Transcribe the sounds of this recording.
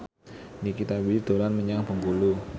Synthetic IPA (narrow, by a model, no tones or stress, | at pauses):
nikit̪abild̪̥olanməɲaŋpəŋɡulu